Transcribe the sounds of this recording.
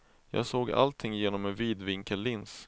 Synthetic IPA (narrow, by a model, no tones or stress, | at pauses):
jɑ̰ːɡsoːɡa̰lt̪ʰɪŋjeːnɔmɛnviːd̪vɪŋkəlːɪns